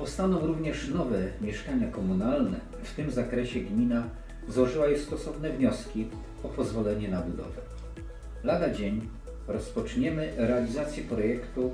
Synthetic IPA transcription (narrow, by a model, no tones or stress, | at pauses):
pɔst̪anɔ̃w̃ɾuvɲɛʂnɔvɛmʲjɛʂkaɲakɔmunalnɛ | ft̪ɘmzakɾɛɕɛɡmʲina | zwɔʐɘwajɛst̪ɔsɔvnɛvɲɔskʲi | ɔpɔzvɔlɛɲɛnabud̪ɔ̰vɛ | lad̪ad͡ʑeɲ | ɾɔspɔt͡ʂɲɛmɘɾɛalʲizat̪sʲjɛpɾɔjɛkt̪u